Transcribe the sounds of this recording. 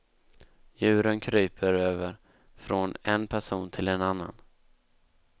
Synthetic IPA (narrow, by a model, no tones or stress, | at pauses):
jʉ̟ːɾənkʰɾyːpʰəɾøːvəɾ | fɾɔnɛnpʰæʂuːnt̪ʰɪlɛnanːa̰n